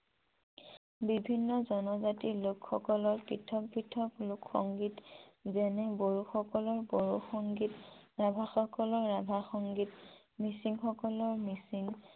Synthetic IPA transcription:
bibʱinːɔzɔnɔzatilʊkxɔkɔlɔɹpitʰɔk̚pɹitʰɔklʊkxɔŋɡitzɛnɛboɹuxɔkɔlɔɹboɹuxɔŋɡitɹabʱaxɔkɔlɔɹːabʱaxɔŋɡit | misiŋxɔkɔlɔɹmisiŋ

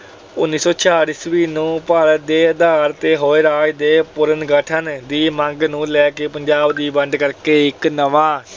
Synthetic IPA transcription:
ʊnːiːsɔːt͡ʃʰaːɾɪsʋiːnũːpaːləd̪eːəd̪aːɾt̪eːɦoːeːɾaːjd̪eːpʊɾənɡəʈʰənd̪iːmə̃ŋɡnũːlɛːkeːpəɲd͡ʒaːbd̪iːbəɳɖkəɾkeːɪknəʋãː

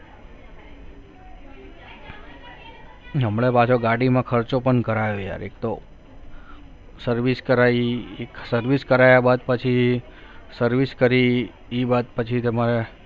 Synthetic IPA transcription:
ɦəmɭepat͡ʃʰoɡaɽimãkʰəɾt͡ʃopəɳkəɾajoja̰ɾek̚t̪o | səɾʋiskəɾaiksəɾʋiskəɾajabad̪̚pət͡ʃʰi | səɾʋiskəɾiː | bad̪̚pət͡ʃʰit̪əmaɾe

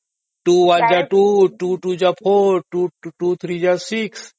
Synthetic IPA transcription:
ʈuʋand͡ʒaʈuʈuʈud͡ʒapʰoʈuʈut̪ʰɾiːd͡ʒasiks

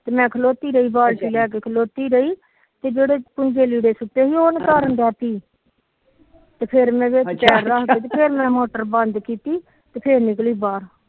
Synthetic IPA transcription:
t̪eːmɛ̃ːkʰəloːt̪iːɾəiːbaːlsiːlɛːk̬eːkʰəloːt̪iːɾəiː | t̪eːd͡ʒeːɽeːpʊnd͡ʒeːliːɽeːsʊʈːeːɦiːoːnkaːɾənd̪ɛːt̪iː | t̪eːpʰeɾmɛ̃ːʋeːt͡ʃɛːɾːaːɦkeːt̪̬eːpʰeːɾmɛ̃ːmoːʈəɾbənd̪kiːt̪iː | t̪eːpʰeːɾnɪkliːbaːɾ

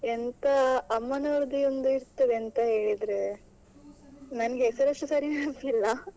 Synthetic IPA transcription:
ent̪ɐːmːɐnoɭd̪iond̪uiɾt̪ːɐd̪eɐnt̪ɐɦe̞ːɭid̪ɾe | nɐnɐɡeːsɐɾeʂʈːusɐɾinaɭɐt̪ilːɐ

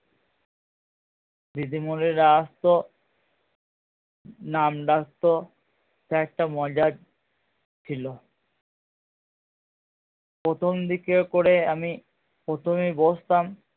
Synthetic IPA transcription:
d̪id̪imuɾeɾaast̪o | namɖakt̪o | sɛk̚ʈamɔd͡ʑad | t͡ɕʰilo | pɾot̪ʰomd̪ikekoɾeami | pɾot̪ʰomibost̪am

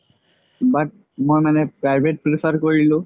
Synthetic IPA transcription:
bat̚ | mojmanɛpɹajbʱet̚pɹipʰaɹkoɹilʊ̃

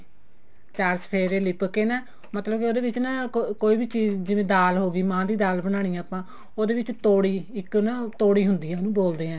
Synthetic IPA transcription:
t͡ʃaːɾspʰeːɾeːlɪpkeːnaː | mət̪ləbkoːd̪eːʋɪt͡ʃnaːkoːiːbiːt͡ʃiːzd͡ʒɪʋẽːd̪aːlɦoːɡiːmãːd̪iːd̪aːlbəɽ̃aːɽ̃ijãːpãː | oːd̪eːʋɪt͡ʃt̪oːɽiːɪknaːt̪oːɽiːɦʊnd̪iːãːnũːboːld̪eːãː

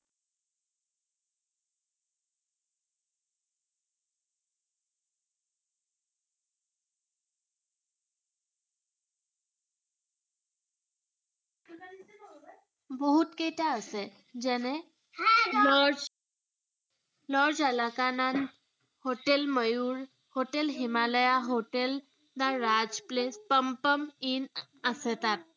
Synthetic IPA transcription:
bəɦut̪keʈ̪ʰjaəse | d͡ʑɛne | lɔɾd͡z | lɔɾd͡zələkanan | hoʈelməjuːɾ | hoʈelɦimaləjaɦoʈel | d̪aɾad͡zplespəmpəmin | əsɛt̪at̪̚

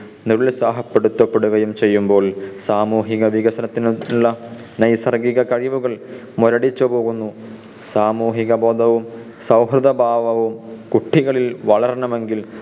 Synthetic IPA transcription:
nuɾuɭsaːɦɐpːe̞ɽut̪ːɐpːe̞ɽuɣɐjumt͡ɕe̞jːumbo̞ːɭsaːmuːɦiɣɐʋiɣɐsɐnɐt̪ːinuɭːɐ | nɐjsɐrɡiɣɐkɐɻiʋuɣɐɭ | moɾɐɽit͡ɕːupo̞ːɣunːu | saːmuːɦiɣɐbo̞ːd̪ɐʋum | sɐwɦrɨðɐbʱaːʋɐʋumkuʈʰːiɣɐɭilʋɐɭɐɾɳɐme̞ŋɡil

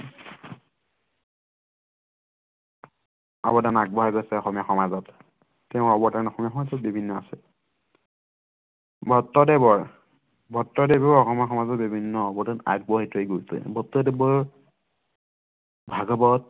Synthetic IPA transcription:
a̰bɔtanaɡ̚bɔɦajɡɔsɛɔxɔmijaxɔmazɔt | tɛʊ̃ɔbɔtanɔxɔmijaxɔmazɔt̚bibʱinːɔasɛ̰ | bʱɔtːɔdebɔɹ | bʱɔtːɔdebɔɔɹɔxɔmiaxɔmazɔtbibʱinːɔɔbɔtana̰ɡ̚bɔɦatueɡosḛbʱɔtːɔdebɔ | bʱaɡɔbɔt̚

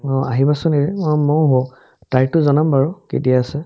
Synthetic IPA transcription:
ɔaɦibasʊneiɔmɔɦo | tajtʊzɔnambaɹɔkḛtiaasɛ

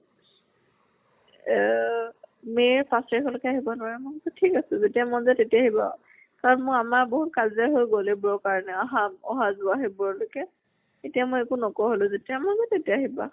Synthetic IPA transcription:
meɹpasiikɔlʊkɛaɦibɔnʊwaɹɛmʊtɔtʰikasʊ̃zetijamɔzɛtetiaɦibã̰ | kaɹɔnmʊ̃kamaɹboɦutkazaɦojɡolebɔɔkaɹɔnɛaɦamɔɦazʊaɦibɔɹlʊkɛ | etijamojekunɔkɔɦolʊ̃zetiamɔzatetiaɦiba

